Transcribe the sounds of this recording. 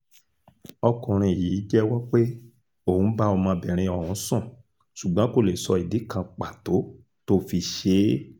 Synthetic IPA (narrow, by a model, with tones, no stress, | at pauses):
ɔ˧kɔ̃˨ɾ̃ĩ˧˨ji˨˦d͡ʒɛ˦wɔ˦k͡pe˦ | o˦˨ũ˨˦ba˦ɔ˧mã˧bɛ˨ɾ̃ĩ˧ɔ˨hɔ̃˨˦sɔ̃˦˨ | ʃu˨ɡ͡bã˨˦ko˦˨le˨sɔ˧i˨di˨˦kã˧k͡pa˨to˨˦ | to˦fi˧ʃe˧˦